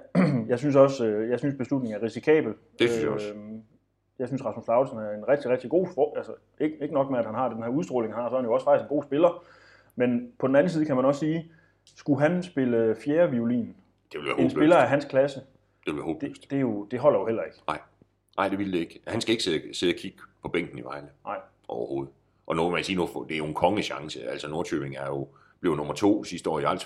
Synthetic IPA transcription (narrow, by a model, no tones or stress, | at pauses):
jɑ̈ɪsyns̬ɒ̽søjɑ̈ɪsynsb̥e̝slud̥ne̝ŋ̩æɐʁisikʰɛ̰ːb̥l̩ | ej̰ | jɑ̈ɪsynsʁɑ̈smoslɑ̈ʊ̥snæɐe̝nʁɛɡ̥̚d̥iʁɛɡ̥d̥iɡ̥o̝̰ːfɒælsɐ | eɡ̥e̝ɡ̥ənɒ̽ɡ̥̚meæd̥hænɦɑ̈d̥enhæ̰ɐuð̞ˠsd̥ʁɔ̰ːle̝ŋhɑ̈sɒ̽ɐhænjo̝ɒ̽sfɑɡ̥isɡ̥enɡ̥o̝̰ːsb̥e̝lɐ | menpʰɒ̽d̥en̩æn̩siːðˠkʰæmænɒ̽ssiː | sɡ̥uɦænsb̥e̝ləfjeːɐʋiulḭːn | d̥eʋel̩ʋæɐhensbe̝lɐæɦænskʰlæsə | d̥eʋelʋæɐho̰ːb̥ed̥d̥e̝jo̝d̥e̝ɦɒ̽l̰ɐjo̝hel̰ɐe̝ɡ̥ɑ̈ɪ̰ | nɑ̈ɪ̰d̥e̝ʋild̥eeɡ̥hænsɡ̥æe̝ɡ̥seðˠseðˠækʰiɡ̥əpʰɒ̽b̥eŋ̰ɡ̥n̩iʋɑ̈ɪ̰ləɑ̈ɪ̰ | ʔɒʊɐho̝ːð̞̩ˠ | ʔɒ̽noʋemænsiːnofd̥eæɐjonkʰɒ̽ŋəɕɑ̈ŋsəæl̰sɒ̽no̝ɐt͡sʰø̰ːb̥e̝ŋæɐjo̝ | b̥leːʊnɔ̽mɐt͡sʰo̝̰ːsisd̥əɒ̰ːjiɑ̈l̰s